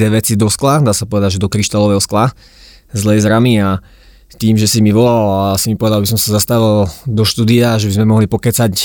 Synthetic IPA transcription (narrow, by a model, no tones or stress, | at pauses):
ɛʋɛt͡sid̪ɔsklad̪aːsapɔʋɛd̪aɟʒɛd̪ɔkɾiʃt̪alɔʋɛɦɔskla | zlɛjzɾamia | t̪iːmʒɛsimiʋɔlalasimipɔʋɛd̪albisɔmsazast̪aʋald̪ɔʃt̪uːd̪iaʒɛbizmɛmɔɦlipɔkɛt͡sac